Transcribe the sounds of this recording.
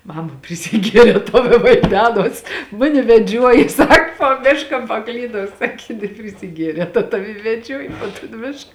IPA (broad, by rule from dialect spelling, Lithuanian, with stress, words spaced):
ˈmɑːmɐ pʲrʲɪsʲɪˈɡʲiɛrʲɛː ˈtɐʊ ɪ ʋɐɪˈdʲæːnoːs ˈmʊnʲɪ ʋʲɛˈd͡ʒʲuɔjɪ ˈsɐk puɔ ˈmʲɪʃkɐ pɐˈklʲiːdɐʊ ˈsɑːkʲeː jɛ nʲɛpʲrʲɪsʲɪˈɡʲiɛrʲɛː tɐt ˈtɑːʋʲɪ ɪ ʋʲɛˈd͡ʒʲuɔjɪ poː toːn ˈmʲɪʃk